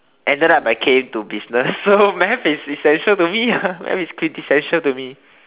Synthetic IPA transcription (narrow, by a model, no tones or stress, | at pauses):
ʔɛ̃ndɛ̃nabaɪkʰẽmtubisnəsːomɛfisisɛ̃nʃəltumiamɛ̰fiskʰwĩtisɛ̃nʃəltumi